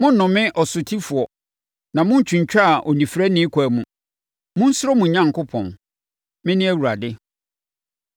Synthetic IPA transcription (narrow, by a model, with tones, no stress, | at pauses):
mʊ̃˦n˦nʊ̃˨mɪ̃˦ʔɔ˨sʊ˨tʰi˦fʊ˨ɔ˨ | nã˨mʊ̃˦n̩˦t͡ɕʰᶣũ˨ɲ˨t͡ɕᶣa˦˨ʔɔ˨nĩ˨fɾæ˦nɪ̃˦kʷʰɔ˨æ˨mũ˨ | mʊ̃˦n̩˦sʊ˦ɾo˦mũ˨ɲã˦ŋkʊ˦pʰɔ̰̃˨n | mɪ̃˦nɪ̃˦æ˦˨wu˨ɾa˨dɪ˦